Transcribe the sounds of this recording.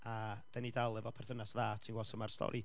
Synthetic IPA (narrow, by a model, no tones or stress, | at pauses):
ad̥anidalˠɛvɔpʰɛrθənasðaːtʰinwɔsəmarstʰɔ̰ɾʔi